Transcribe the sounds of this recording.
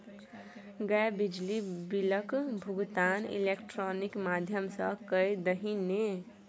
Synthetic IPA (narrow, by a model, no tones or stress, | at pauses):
ɡəebid͡ʒlibiləkbʱuɡt̪anḭlekʈɾonikmad̪ʱjəmsəkəjd̪əɦine